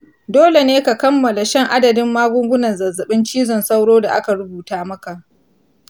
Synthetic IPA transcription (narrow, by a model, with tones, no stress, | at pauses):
doː˦le˨neː˦ka˨kɐ˦mːɐ˨la˨ʃɛ˦˨ŋʔa˦dɐ˨dɪ˦mːaː˦ɡʷʊ˦ŋɡʷʊ˦nɐ˨nzɐ˨zɐ˨ɓɪ˦nt͡ʃiː˦zɔ˨nsa˦wɽoː˦da˨ʔa̰˦ka˨ɾʊ˦buː˨taː˦mɐ˦ka˨ʔ